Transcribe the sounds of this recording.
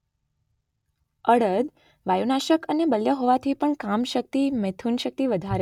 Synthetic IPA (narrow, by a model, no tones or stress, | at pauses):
əɽəd̪ | ʋajunaʃəkənebəljəɦoʋat̪ʰipəɳkamʃək̚t̪imet̪ʰunʃək̚t̪iʋəd̪ʱaɾe